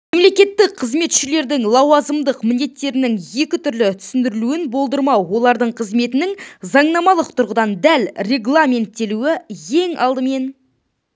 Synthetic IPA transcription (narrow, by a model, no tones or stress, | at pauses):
memle̞kʲe̞t̪ːɪqqʰəzme̞t̪ʃɪle̞ɾd̪ɪŋlˠɑwɑzəmd̪əqmɪnd̪e̞t̪ːe̞ɾɪnɪŋje̞kʲɪt̪ʰʏɾlɪt̪ʰʏ̥sɪnd̪ɪɾɪluɪnbo̞lˠd̪əɾmɑwwo̞lˠɑɾd̪əɴqʰəzme̞t̪ɪnɪŋzɑɴnɑmɑlˠəq̚t̪ʰʊɾʁəd̪ɑnd̪ælre̞ɡlˠamʲe̞nt̪ːe̞luɪje̞ŋɑ̰lˠd̪əme̞n